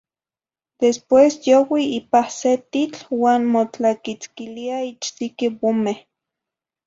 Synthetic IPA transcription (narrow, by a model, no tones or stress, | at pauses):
d̪̥espwesjowiipahset̪it͡ɬwaːnmot͡ɬakit͡skiliait͡ʃt̪ikiwomeh